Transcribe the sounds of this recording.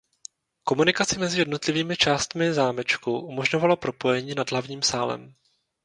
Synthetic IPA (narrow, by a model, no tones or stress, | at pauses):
ko̞munɪkat͡sɪmɛzɪjɛdno̞t̪lɪviːmɪt͡ʃaːst̪mɪzaːmɛt͡ʃkuʔumo̞ʒɲo̞valopɾo̞po̞jɛɲiːnadlavɲiːmsaːlɛ̰m